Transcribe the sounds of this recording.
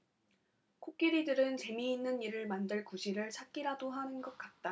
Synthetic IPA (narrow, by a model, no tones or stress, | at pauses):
kʰok̚k͈iɾidɯɾɯnt͡ɕe̞miːnːɯniɾɯɭmandɯɭkuɕʰiɾɯɭt͡ɕʰak̚k͈iɾadoɦanɯnɡʌt̚k͈at̚t͈a